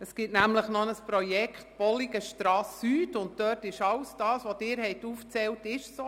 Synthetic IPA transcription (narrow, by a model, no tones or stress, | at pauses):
əsɡ̥ɪtnæmləχnɔnəspɾɔjɛkχtb̥ɔliɡəʃtɾɑːsyːtʊnt̚d̥œːrtɪʃɑwsd̥ɑːsʋodɪːɾhɛɪtuːft͡sɛltɪʃso